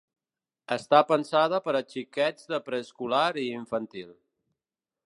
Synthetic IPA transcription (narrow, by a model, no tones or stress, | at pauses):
əst̪apənsað̞əpəɾət͡ʃikɛd͡zðəpɾəskulaɾiːɱfənt̪ilˠ